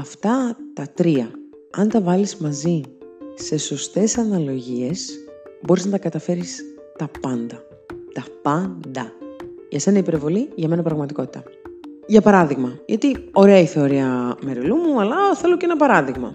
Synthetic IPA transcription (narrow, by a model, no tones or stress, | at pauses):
ɐft̪ɐt̪ɐt̪ɾiɐ | ɐ̰nt̪ɐvɐlizmɐzise̞so̞st̪e̞sɐnɐlo̞ʝie̞sbo̞ɾiznɐt̪ɐkɐt̪ɐfe̞ɾis | t̪ɐpɐnd̪ɐ | t̪ɐpɐnd̪ɐʝɐse̞nɐipe̞ɾvo̞liʝɐme̞nɐpɾɐɣmɐt̪iko̞t̪i̥t̪ɐʝɐpɐɾɐðiɣmɐʝɐt̪io̞ɾe̞ɐiθe̞oɾiɐme̞ɾilumuɐlɐθe̞locenɐpɐɾɐðiɣmɐ̰